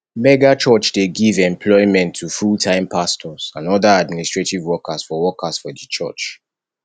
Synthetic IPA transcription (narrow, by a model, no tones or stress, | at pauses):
mɛɡat͡ʃɔt͡ʃdeɡivɛ̃mpʰlɔɪmɛ̃ntʰːufultʰãɪ̃mpʰastʰɔz̥ãnɔdaad̚ministɹ̥etivwɔkasfɔwɔkaz̥fɔdət͡ʃʰɔ̰t͡ʃ